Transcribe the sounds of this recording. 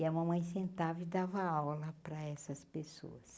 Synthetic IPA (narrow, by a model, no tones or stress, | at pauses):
ɪɐmɐ̃mɐ̃j̃sẽnt̪avɪwd̪avɐawlɐpɾɐɛsɐspeso̰ɐs